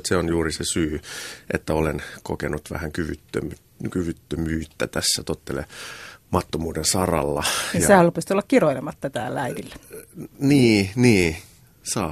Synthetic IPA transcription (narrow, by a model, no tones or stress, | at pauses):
t̪seonjuːrisesyːʔḛt̪ːæolenko̰kenut̪ʋæ̰hæŋkyʋyt̪ːø̰my | kyʋyt̪ːømyːt̪ːæt̪æsːæt̪ot̪ːelḛmɑt̪ːomuːdensɑrɑ̰lːɑijɑsæːrupesit̪olːɑkkiroilemɑt̪t̪ːæt̪æ̰ːlːæidilːæniːniː | sɑː